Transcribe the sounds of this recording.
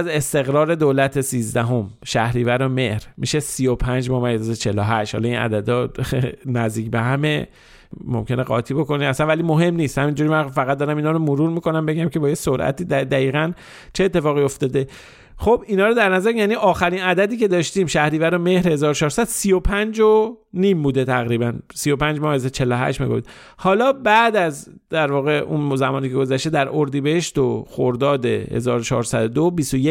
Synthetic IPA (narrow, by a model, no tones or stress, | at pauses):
ze̞st̪e̞ɣɾɒːɾe̞d̪olæt̪ʰe̞siːzd̪æɦo̞m | ʃæhɾiːvæɾome̞hɾmiʃe̞siːjopʰænd͡ʒbɒːmæjzet͡ʃʰeloɦæʃt̪hɒ̰lɒinæ̰d̪æd̪ɒ | næzd̪iːcbeɦæme | mo̰mcʰe̞neɣɒ̰ːt̪ʰiːbo̞ko̞niæsænvælimo̞ɦe̞mniːst̪hæmind͡ʒuːɾimænfæɣæt̪̚d̪ɒɾæminɒːɾomoɾuːɾmiːko̞næmbe̞ɟæmcʰe̞bɒːjesoɾʔæ̰t̪iːd̪æd̪æiːɣæn | t͡ʃʰeeːt̪ːe̞fɒːɣio̞ft̪ɒːd̪e̞ | xobinɒːɾod̪æɾnæzæɾjæːniːʔɒːxæɾinæd̪æd̪iːce̞d̪ɒːʃt̪iːmʃæhɾiːvæɾome̞hɾhe̞zɒːɾot͡ʃʰɒːɾsæd̪̥siːjo̞pʰænd͡ʒonimbuːd̪e̞t̪ʰæɣɾiːbænsijo̞pænd͡ʒmɒːhezæt͡ʃʰe̞lːoɦæ̰ʃt̪mḭɡofḭd̪̚ | hɒːlɒːbæʔd̪æzd̪æɾvɒːɣe̞ʔṵnzæmɒːnicʰeɡo̞zæʃt̪ed̪æɾʔoɾd̪iːbehe̞ʃt̪oxo̰ɾd̪ɒːd̪e̞̰hḛzɒ̰ːɾot͡ʃʰɒ̰ːɾsæd̪od̪obisoje